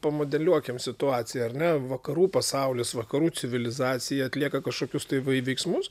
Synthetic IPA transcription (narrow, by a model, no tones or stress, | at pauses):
pɐmoːd̪ʲɛlʲuɔkʲɪmsʲɪt̪ʊɑːt̪t͡s̪ʲɪjɛɐɾnʲɛʋɐkɐɾuːpɐsɐʊlʲɪsʋɐkɐɾuːt͡s̪ʲɪʋʲɪlʲɪzɑːt͡s̪ʲɪjɛɐt̪ʲlʲiɛkɐkɐʃkoːkʲʊst̪ɐɪʋɐʋʲɛɪksmʊs